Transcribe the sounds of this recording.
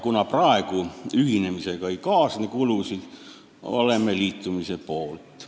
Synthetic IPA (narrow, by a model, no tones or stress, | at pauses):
kunɑprɑˑekuyhinemisekɑikɑːsnekuluˑsi | o̰lemːeliːt̪ːumisepoˑlt̪